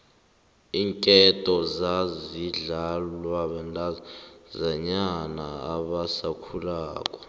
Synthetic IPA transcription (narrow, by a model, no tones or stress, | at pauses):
iːŋkʼɛtʼɔzaziɮalwaɓɛndʱʼazɛɲanaːɓasakʰulaːkʼɔ̥